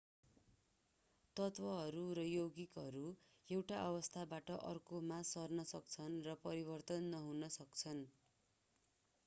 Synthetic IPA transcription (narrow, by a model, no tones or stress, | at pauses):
t̪ʌt̪bʌɦʌɾuɾʌjoɡikɦʌɾu | ewʈaʔʌbʌst̪ʰabaʈʌʔʌrkomasʌrnʌsʌk̚t͡sʰʌnrʌpʌɾibʌrt̪ʌnːʌɦunʌsʌkt͡sʰʌn